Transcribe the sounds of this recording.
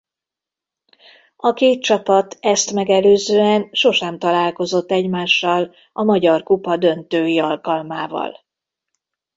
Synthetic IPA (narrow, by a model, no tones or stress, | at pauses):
ɒkeːt̪̚t͡ʃɒpɒt̪ɛst̪mɛɡɛløːzøːɛnʃo̞ʃɛmt̪ɒlaːlko̞zo̞t̪ːɛɟmaːʃːɒl | ɒmɒɟɒrkupɒd̪ø̞nt̪øːjiɒlkɒlmaːvɒ̰l